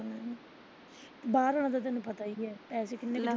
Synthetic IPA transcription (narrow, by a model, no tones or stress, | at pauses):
nã | baːɾɦoːɽ̃ãːt̪aːt̪ɛːnũːpət̪aːiːɛːpɛːseːkɪnːẽːkɪ